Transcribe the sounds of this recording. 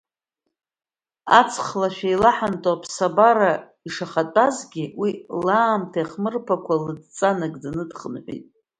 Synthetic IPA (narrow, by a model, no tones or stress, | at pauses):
a̰t͡sʰχlaʃᶣajlaħantʼapʰsabaɾa | iʂaχatʼazɡʲiwilaːmtʰajχmɨrpʰakʷʰalɨd̚t͡sʼanɨɡʼdanɨdχənħʷḭtʼ